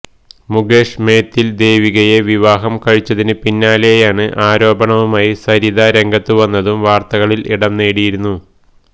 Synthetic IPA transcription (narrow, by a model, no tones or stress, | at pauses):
muɡe̞ːʂme̞ːt̪ːild̪e̞ːʋiɣɐjeʋiʋaːɦɐmkɐɻit͡ɕːɐðinɨpinːaːlejaːɳɨʔaːɾo̞ːbɐɳɐʋumaːjisɐɾiðaɾe̞ŋɡɐt̪ːɨʋɐnːɐðumʋaːrt̪ɐɣɐɭilʔiɽɐmneːɽijiɾunːu